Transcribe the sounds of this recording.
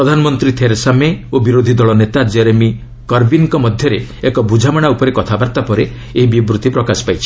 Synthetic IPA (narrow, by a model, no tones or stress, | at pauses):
ɾɔd̪ʱanɔmɔnt̪ɾit̪ʰeɾsameobiɾod̪ʱid̪ɔɭɔnet̪ad͡ʒeɾemi | kɔɾbinkɔmɔd̪ʱjɔɾeekɔbʱud͡ʒʱamaɽ̃aupɔɾekɔt̪ʰabaɾt̪apɔɾe | eɦibibɾut̪ipɾɔkasi̥pajt͡ʃʰi̥